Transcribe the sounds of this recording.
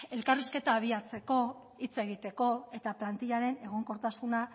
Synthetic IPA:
e̞lkariske̞t̪aːβ̞iat͡se̞ko̞ | it͡se̞ɣ̞it̪e̞ko̞e̞t̪aplant̪iʎaɾe̞ne̞ɣ̞o̞ŋko̞ɾt̪asuna

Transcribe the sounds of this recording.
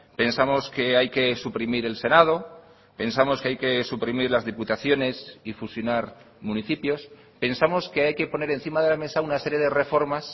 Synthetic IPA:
pe̞nsamo̞ske̞ajke̞supɾimiɾe̞lse̞nað̞o̞ | pe̞nsamo̞skeajke̞supɾimiɾlazðiput̪aθjo̞ne̞sifusjo̞naɾ | mũniθipjo̞s | pe̞nsamo̞ske̞ajke̞po̞ne̞ɾe̞nθimaðe̞lame̞saunase̞ɾjeðe̞re̞fo̞ɾmas

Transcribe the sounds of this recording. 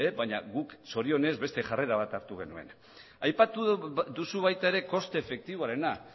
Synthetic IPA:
eβaɲaɣukso̞ɾio̞ne̞zβe̞st̪e̞ʝare̞ɾaβ̞at̪aɾt̪uɣ̞e̞nue̞n | ajpat̪uðusuβajt̪ae̞ɾe̞ko̞st̪eːfe̞k̚t̪iβoaɾe̞na

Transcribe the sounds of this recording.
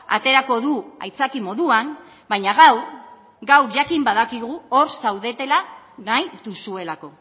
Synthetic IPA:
a̰t̪e̞ɾako̞ðua̰jt͡sakimo̞ðuan | baɲaɣ̞awɾ | ɡawɾʝakimbaðakiɣuo̞ɾsawðe̞t̪e̞lanajt̪usue̞lako̞

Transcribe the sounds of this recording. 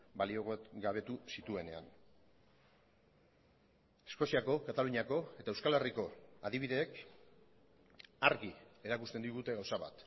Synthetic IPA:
balio̞ɣɡaβ̞e̞t̪usit̪ue̞ne̞a̰n | e̞sko̞siako̞kat̪aluɲako̞e̞t̪aewskale̞riko̞aðiβiðe̞ːk | aɾɣie̞ɾakust̪end̪iɣut̪eɣawsaβa̰t̪

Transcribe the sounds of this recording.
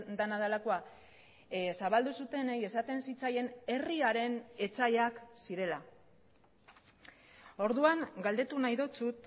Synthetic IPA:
d̪anaðelako̞a | saβald̪usut̪e̞neje̞sat̪e̞nsit͡saje̞ne̞riaɾe̞ne̞t͡sajaksiɾe̞la | o̞ɾðuaŋɡald̪e̞t̪unajðo̞t͡sut̪

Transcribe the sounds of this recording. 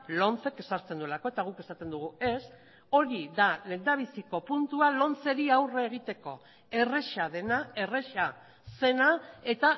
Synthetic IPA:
lo̞nt͡se̞ke̞saɾt͡se̞nd̪ue̞lako̞et̪aɣ̞uke̞sat̪e̞nd̪uɣ̞ue̞s | o̞ɾiðale̞nd̪aβ̞isiko̞punt̪ualo̞nt͡se̞ɾiawreːɣ̞it̪e̞ko̞ | e̞re̞ʃað̞e̞nae̞re̞ʃa | se̞nae̞t̪a

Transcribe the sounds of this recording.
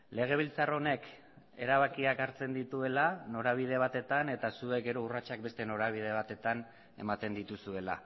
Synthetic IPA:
le̞ɣ̞e̞β̞ilt͡saro̞ne̞k | e̞̰ɾaβakiakaɾt͡se̞nd̪it̪ue̞lano̞ɾaβ̞ið̞e̞β̞at̪e̞t̪ane̞t̪asue̞k̚ɡe̞ɾo̞urat͡ʃak̚be̞st̪e̞no̞ɾaβ̞ið̞e̞β̞at̪e̞t̪an | e̞̰mat̪e̞nd̪it̪usue̞la̰

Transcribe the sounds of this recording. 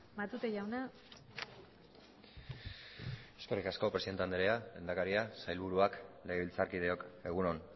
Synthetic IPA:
mat̪ut̪eʝawna | eske̞ɾikasko̞pɾesiðnt̪eand̪eɾealend̪akaɾiasajlβuɾuakleeβilt͡saɾkiðe̞o̞ke̞ɣ̞uno̞n

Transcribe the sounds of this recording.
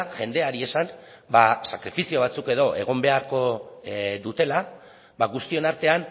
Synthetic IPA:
ʝe̞nd̪e̞aɾie̞san | basakɾifisio̞β̞at͡suke̞ð̞o̞ʔe̞̰ɣ̞o̞mbe̞aɾko̞ | ðut̪e̞la | baɣust̪io̞naɾt̪e̞an

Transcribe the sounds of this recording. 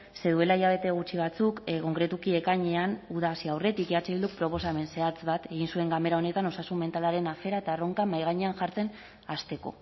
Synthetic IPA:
se̞ðue̞laijaβ̞e̞t̪e̞ɣ̞ut͡ʃiβ̞at͡sukko̞ŋkɾe̞t̪ukie̞kaɲe̞anuðasiawre̞t̪ikeat͡seild̪uk̚pɾo̞po̞same̞nse̞at͡sβat̪e̞ɣ̞insue̞ŋɡame̞ɾao̞ne̞t̪ano̞sasume̞nt̪alaɾe̞nafe̞ɾaet̪aro̞ŋkamajɣ̞aɲeanʝaɾt͡se̞n | ast̪e̞ko̞̰

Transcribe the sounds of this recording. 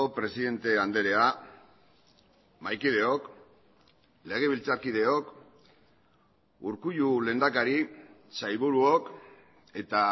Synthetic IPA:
opɾe̞siðe̞nt̪e̞and̪e̞ɾe̞a | majkiðe̞ok | le̞ɣ̞e̞β̞ilt͡saɾkið̞e̞o̞k | uɾkuʎule̞ːnd̪akaɾisajβuɾuo̞k | e̞t̪a

